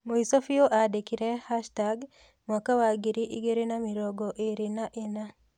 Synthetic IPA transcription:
moisofioʔadekiɾɛhaʃtaɡ | mwakawaɡiɾiʔiɡeɾenamiɾɔɡɔʔeɾinaʔena

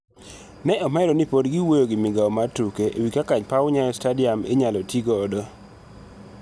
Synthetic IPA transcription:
nɛʔɔmɛɾɔnipodɡɪwojoɡɪmɪɡaɔmatukeʔḛwikakaɲpawɲajɔstadɪamḛɲalɔtiɡɔːdɔ

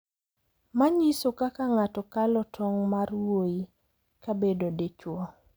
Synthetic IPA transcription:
maɲisokakaŋatɔkalɔtʰɔŋmarwoi | kabedodet͡ʃwɔ

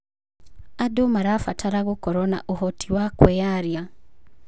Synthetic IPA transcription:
adomaɾafatʰaɾaɣokɔɾɔna̰ʔohɔtiwakwɛjaɾja

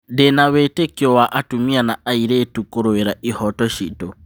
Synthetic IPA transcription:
denawetekiɔwaʔatumianaaiɾeːtukoɾoeɾaʔihɔtɔʃito

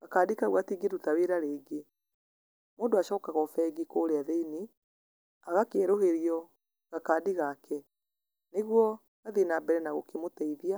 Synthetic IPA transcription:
ɣakaːdikaɣwatiːɡeɾutaweɾaɾeːɡe | moːndoaʃɔkaɣɔfɛɡikoːɾeaðeini | aɣakeːɾoheɾiɔ | ɣakaːdiɣakʰɛ | neɣwɔ | ɣaðinabɛɾɛnaɣokemotɛiðia

